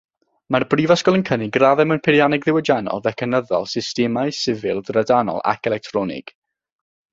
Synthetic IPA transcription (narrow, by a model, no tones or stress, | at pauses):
marbrivaskɔlˠənkʰənɪɡraðɛmənpʰɪɾjanɪɡðɪwəd͡ʒanɔ̰lˠvɛkʰɛnəðɔ̰lˠsɪstɛmaɨsɪvɪlˠdradanɔ̰lˠa̰kʰɛlɛk̚tʰrɔnɪ̰ɡ̥